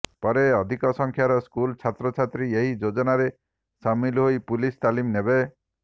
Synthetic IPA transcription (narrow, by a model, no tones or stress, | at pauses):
pɔɾeɔd̪ʱikɔsɔŋkʰjaɾɔskult͡ʃʰat̪ɾɔt͡ʃʰat̪ɾieɦid͡ʒod͡ʒɔnaɾe | samilɦoipulist̪alimnebe